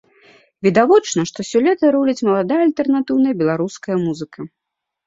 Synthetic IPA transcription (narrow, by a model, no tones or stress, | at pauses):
vʲid̪avɔt͡ʂnɐʂt̪ɔsʲɔlʲɛt̪ɐɾulʲɐt͡sʲmɐlˠad̪ajɐɐlʲt̪ɛrnat̪ɨwnɐjɐbʲɛlˠaɾuskɐjɐmuzɨkɐ